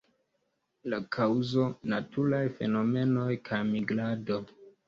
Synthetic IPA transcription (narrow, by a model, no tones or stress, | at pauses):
lakʰawzo̞natulajfe̞̰no̞me̞no̞jkʰajmiɡlado̞